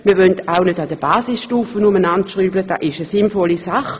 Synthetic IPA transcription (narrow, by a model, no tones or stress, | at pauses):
miːɐʋœntaʊnødɑd̥əb̥aːsɪsʃtuːfənʊmənantʃʁyːbləd̥ɑ̰ːʔɪʃəsɪnfɔlisaχ